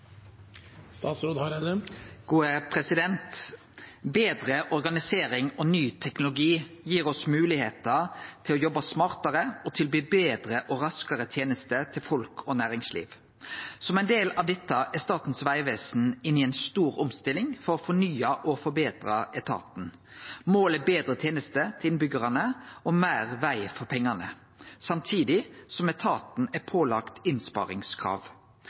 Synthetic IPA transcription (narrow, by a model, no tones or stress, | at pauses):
st̪ɑːt̪sɾoːd̪hɑɾed̪əɡ̥uːəpʰɾɛsɪd̪ɛnt̪ | beːd̪ɾəʔɔɾɡɑnɪseːɾɪŋɔnyːt̪ʰɛknʊlʊɡiː | jiːɾɔsmʉːlɪheːt̪ət̪ʰɪlɔjɔbɑsmɑʁt̪ɑɾəɔt̪ʰɪlbyːbeːd̪ɾəʔɔɾɑskəɾət̪ʰjeːnəst̪ət̪ʰɪlfɔlkʰɔnæːɾɪŋslḭːʋ | sɔmɛɪnd̪eːlɑʋd̪ɛt̪ːəʔɛst̪ɑːt̪n̩sʋæɪʋeːsn̩ɪnɪɛɪnst̪uːɾɔmst̪ɪlɪŋfɔɾɔfɔnyːɑʔɔfɔɾbeːt̪ɾɑɛt̪ʰɑ̰ːt̪n̩ | moːlɛbeːd̪ɾət̪ʰjeːnəst̪ət̪ʰɪlɪnbʏɡəʁɑnəɔmæːʁʋæɪfɔɾpʰɛŋːɑnə | sɑmt̪ʰiːd̪ɪsɔmɛt̪ʰɑːt̪n̩ɛpʰoːlɑkt̪ɪnspɑ̰ːɾɪ̰ŋskʰʁɑ̰ːʋ